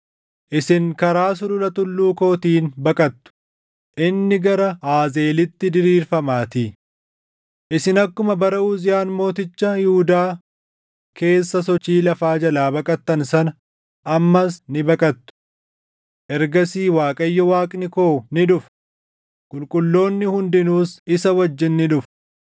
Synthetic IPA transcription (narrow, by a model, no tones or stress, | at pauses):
ʔɪsɪŋkɐɾaːs̬ʊlʊlɐt̪ʊlːuːko̞ːt̪iːnbɐkʼɐt̪ːʊ̥ | ʔɪnːɪɡɐɾɐaːze̞ːlɪt̪ːɪd̪ɪɾiːɾfɐmaːt̪i | ʔɪsɪnɐkːʊmɐbɐɾɐʔʊzɪjaːnmo̞ːt̪ɪt͡ʃːɐhɪhʊd̪aː | kʰe̞ːsːɐsɔt͡ʃːiːlɐfaːd͡ʒɐlaːbɐkʼɐt̪ːɐnsɐnɐ | ʔɐmːɐsnɪbɐkʼɐt̪ːʊ̥ | ʔɛɾɡɐsiːwaːkʼɐjːɔwaːkʼnɪko̞ːnɪᶑʊf | kʼʊlkʼʊlːo̞ːnːɪhʊnd̪ɪnuːsɪsɐwɐd͡ʒːɪnːɪᶑʊf